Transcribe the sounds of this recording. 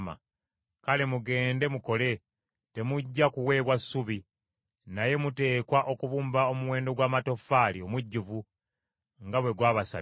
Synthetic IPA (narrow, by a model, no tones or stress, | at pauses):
ma̰ | kalemuɡe̞ːnde̞muko̞le̞ | te̞muɟːakuwe̞ːβwasːuβi | naje̞mute̞ːkwaʔo̞kuβuːmbao̞muwe̞ːndo̞ɡwaːmato̞faːlio̞muɟːuvu | ŋɡaβwe̞ɡwaːβasa̰l